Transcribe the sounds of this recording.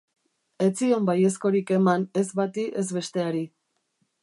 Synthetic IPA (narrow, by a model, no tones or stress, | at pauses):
e̞t͡siombaje̞sko̞ɾike̞mane̞zβat̪iʔe̞zβe̞st̪e̞aɾi